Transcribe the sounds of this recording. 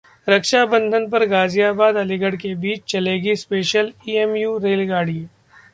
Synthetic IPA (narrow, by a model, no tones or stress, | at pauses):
ɾɐkʃabə̃nd̪ʱənp̬ɐɾɡaːzijaːbaːd̪ɐlɪɡəɽkebiːt͡ʃt͡ʃɐleːɡispeːʃəliːemjuːɾeːlɡaːɽiː